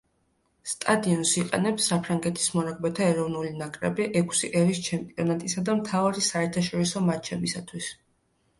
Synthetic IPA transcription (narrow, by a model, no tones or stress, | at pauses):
st̪ʼad̪iɔnsiqʼɛ̰nɛpsːapʰɾaŋɡɛt̪ʰi̥smɔnaɡ̚bɛt̪ʰaɛɾɔvnulinakʼɾɛbiʔɛkʰsiʔɛɾist͡ʃʰɛmpʼiɔnat̪ʼisad̪amt̪ʰavaɾisaɛɾt̪ʰaʃɔɾisɔmat͡ʃʰɛbisat̪ʰwis